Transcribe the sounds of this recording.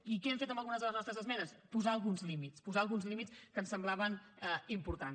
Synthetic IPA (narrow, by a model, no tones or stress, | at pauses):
ikɛɛɱfet̪əmbəlˠɣunəzðələznɔst̪ɾəzəzmɛnəspuzaəlˠɣunzlimitspuzaəlˠɣunzlimit͡skənsəmblaβənɛimpuɾt̪an